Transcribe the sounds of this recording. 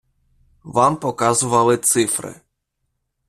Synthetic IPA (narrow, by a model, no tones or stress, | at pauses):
vampɔkazuvawɛt̪sɨfɾɛ̰